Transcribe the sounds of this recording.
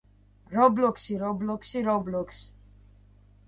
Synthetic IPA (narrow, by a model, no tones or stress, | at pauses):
ɾɔblɔksiɾɔblɔkʰsiɾɔblɔks